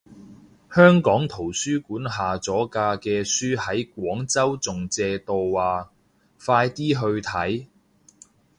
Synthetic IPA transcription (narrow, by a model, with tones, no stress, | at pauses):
hœː˥ŋkɔː˨˥ŋt̪ʰo˨˩wsyː˥kuː˨˥nɦaː˨t͡sɔː˨˥kaː˧kɛː˧syː˥hɐ˨˥jk̚ʷɔː˨˥ŋt͡sɐ˥wt͡sʊ˨ŋt͡sɛː˧t̪o˨wːaː˨˩ | faː˧jt̪iː˥ɦɵ˧ɥt̪ʰɐ˨˥j